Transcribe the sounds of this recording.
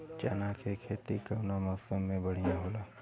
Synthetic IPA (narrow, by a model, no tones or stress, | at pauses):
t͡ʃa̰ːnakʰekʰeːt̪ikəʋnamɔːsəmːẽbɐɽ̤ijãɦoːlaː